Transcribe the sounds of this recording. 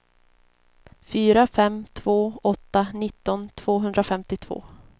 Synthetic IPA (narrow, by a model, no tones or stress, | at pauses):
fyːɾafɛmːt̪ʰv̥oːɔt̪ːanɪt̪ːɔnt̪ʰv̥oːɦɵnd̪ɾafɛmt̪ɪt̪ʰv̥o̰ː